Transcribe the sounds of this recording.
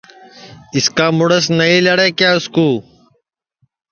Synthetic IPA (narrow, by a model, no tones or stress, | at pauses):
ɪskaːmʊɽəsnəiːləɽeːkjaːʊskuː